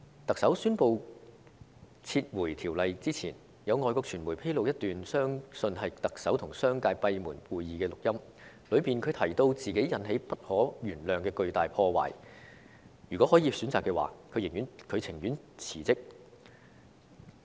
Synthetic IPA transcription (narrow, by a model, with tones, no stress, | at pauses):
t̪ɐ˨k̚sɐ˨˥wsyː˥npo˨˧w | t͡sʰiː˧t̚wuː˨˩jt̪ʰiː˨˩wlɐ˨jt͡siː˥t͡sʰiː˨˩n | jɐ˨˧wŋɔː˨jkɔː˧k̚t͡ʃʰyː˨˩nmu˨˩jpʰe˥lo˨˧wjɐ˥t̪yː˨nsœː˥ŋsɵ˧nɦɐ˨jt̪ɐ˨k̚sɐ˨˥wt̪ʰʊ˨˩ŋsœː˥ŋkaː˧jpɐ˧jmuː˨˩nkuː˨jːiː˨kɛː˧lʊ˨k̚jɐ˥m | lɵ˨˧ɥpiː˨˩nkʰɵ˨˧ɥt̪ʰɐ˨˩jt̪o˧wt͡siː˨˩ke˨˥jjɐ˨˧nɦe˨˥jpɐ˥t̚hɔː˨˥jyː˨˩nlœː˨˩ŋkɛː˧kɵ˧ɥt̪aː˨jpʰɔː˧wa̰ː˨˩j | jyː˨˩kʷɔ˨˦˥hɔː˨˥jiː˧syː˨˥nt͡saː˨kːɛː˧wa̰ː˨kʰɵ˨˧ɥjɪ˨˩ŋjyː˨˥nkʰɵ˨˧t͡sʰɪ˨˩ŋjyː˨˥n | t͡sʰiː˨˩t͡sɪ˥k̚